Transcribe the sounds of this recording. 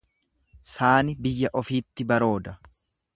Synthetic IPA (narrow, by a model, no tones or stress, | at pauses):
saːnɪbɪjːɐʔɔfiːt̪ːɪbɐɾo̞ːd̪ɐ